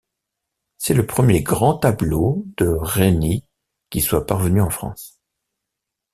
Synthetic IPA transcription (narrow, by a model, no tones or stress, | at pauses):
sɛləpχəmjeɡʁɑ̃t̪ablod̪̥əʁeni | kʲiswapaʁvənyɑ̃fχɑ̰̃s